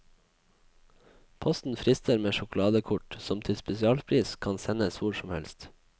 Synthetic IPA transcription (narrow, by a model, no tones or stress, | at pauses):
pʰɔst̪n̩fɾɪst̪əɾmeːʃʊkʊlɑːd̪əkʰʊʈsɔmt̪ʰɪlspɛsɪɑːlpʰɾiːskʰɑnsɛnəsʋʊɾʃɔm̩hɛ̰lst̪